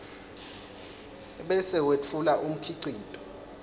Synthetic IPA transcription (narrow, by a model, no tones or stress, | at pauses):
ɓɛsɛwet͡fʰulaʔum̩kʰiǀiːtʼɔ̥